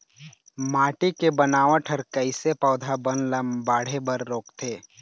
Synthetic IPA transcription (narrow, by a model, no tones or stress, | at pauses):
maːʈikebənaːʋãʈʰəɾkəɪsepɔːd̪ʱabənləmbaːɽ̤ebəɾːoːkt̪ʰeː